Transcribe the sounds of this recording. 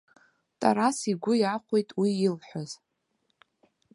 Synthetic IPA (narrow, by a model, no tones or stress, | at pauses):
tʼa̰ɾasiɡʷʊjaχʷejtʼwiilħʷoz̥